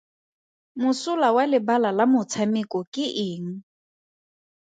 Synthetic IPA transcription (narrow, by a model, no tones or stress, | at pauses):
mʊsʊlawalɪbalalamʊt͡sʰamɪkɔkʼɪʔɪːŋ̩